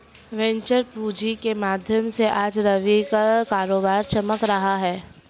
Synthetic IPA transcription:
ʋɛ̃ɲt͡ʃəɾpuːd͡ʒikemaːd̪ʱjəmseʔaːd͡ʒɾɐʋikakaːɾoːbaːɾt͡ʃɐməkɾɐɦaɦɛː

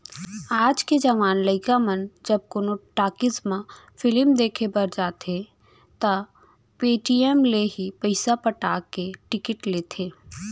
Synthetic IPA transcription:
aːd͡ʒked͡ʒɐʋaːnləɪkamənd͡ʒɐb̚konoʈaːkɪzmã | fɪlmd̪eːkʰebɐɾd͡ʒaːt̪ʰe | t̪ɐ | peːʈiemleɦipəɪsapəʈaːkːeʈɪkɪʈleːt̪ʰeː

